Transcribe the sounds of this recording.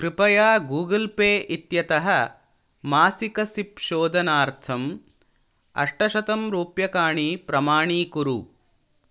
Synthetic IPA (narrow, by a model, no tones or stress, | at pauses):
kɾipɐjaːɡuːɡɐlpeːʔit̪jɐt̪ɐɦɐ | maːsikɐsipʃoːd̪ʱɐnaːɾt̪ʰɐm | ɐ̰ʂʈɐʃɐt̪ɐmɾuːpjɐkaːɳipɾɐmaːɳiːkuɾu